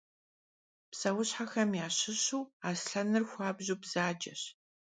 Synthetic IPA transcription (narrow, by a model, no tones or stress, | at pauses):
psɐwʊɕħaxɐmjaːɕɪɕuːaːsɬɐnɨrxʷɑːbʑuːbz̥aːd͡ʒɐ̰ɕ